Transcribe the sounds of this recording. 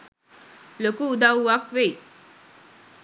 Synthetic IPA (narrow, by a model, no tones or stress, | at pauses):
lokuːd̪awakʋei